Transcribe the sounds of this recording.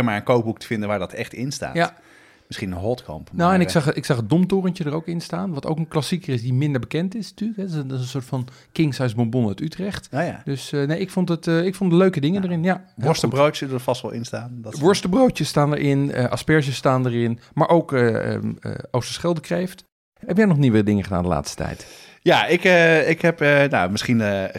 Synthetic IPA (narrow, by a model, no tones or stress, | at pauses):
əmaːɹənkowp̚ɦuk̚tə̥vɪndənʋaːɹdɑtʰɛχtɪnsta̰ːja | mɪsχinənɦɔtkɑ̰mpnowɛnɪksɑχəɪksɑχədomtoːrəntjədərowkɪnstaːnʋɑto̰wkənklasikəɪsdimɪndəɹbəkɛntɪsnatyːləkɦɛdɪnɪsənsʊːɹtfɑn | kɪŋsɛjsbombonœtytrɛχtːjad̥øsnejɪkfontətəɪkfondəløɥkədɪŋəndərɪnjaɔɹstəbroːsədəfɑstʋɛ̰lˠɪ̰nstaːndʋʊɹstəbrowtjəstaːndəɹʔɪnə̰ʔa̰spɛɹsəstaːndəɹɪnmaɹʔoːwkəə̰ə̰owstə̥sχɛlˠdəkrejft | hɛpjɛnɔχniʋədɪŋəχəda̰ːndəla̰ːtstə̥tʰɛ̰jt | jaɪkəɪkhɛpənawmɪsχin